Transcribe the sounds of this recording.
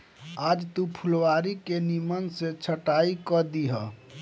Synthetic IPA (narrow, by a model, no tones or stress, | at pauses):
ad͡ʒt̪upʰulwaɾikenimənset͡ʃʰəʈaikəd̪iɦə